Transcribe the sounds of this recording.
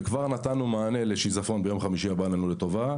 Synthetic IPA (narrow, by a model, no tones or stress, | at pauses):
kvaʁnat̪anumaːne̞leʃizafo̞nbe̞jo̞mχamiʃiabananulet̪o̞va